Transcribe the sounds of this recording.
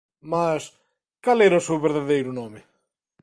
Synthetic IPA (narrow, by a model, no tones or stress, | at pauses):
mas | kalɛɾɐsewβeɾðaðejɾʊnɔmɪ